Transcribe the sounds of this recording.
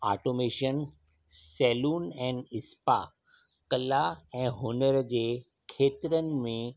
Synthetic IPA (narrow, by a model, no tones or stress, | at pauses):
a̰ːʈoːmeːʃən | sɛːluːnɛ̃ːnɪspa̰ | kɐlaɛ̃ːɦoːnəɾd͡ʑeː | kʰeːt̪ɪɾənɪ̆mẽ